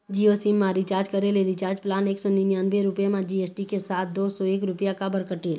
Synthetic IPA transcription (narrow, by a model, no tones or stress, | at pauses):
d͡ʒiosimːãɾɪt͡ʃaːɾd͡ʒkəɾeleɾit͡ʃaːɾd͡ʒplaːneːksɔninjaːnbeɾʊpemãd͡ʒieːsʈikesaːt̪̚ʰd̪oːsɔeːkɾʊpjakabəɾkəʈeːl